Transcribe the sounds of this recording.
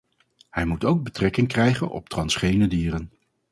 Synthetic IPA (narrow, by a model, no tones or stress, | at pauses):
hɛjmutowɡ̚bətrɛkɪŋkrɛjχə̰nɔ̰p̚trɑnsχejnədiːrən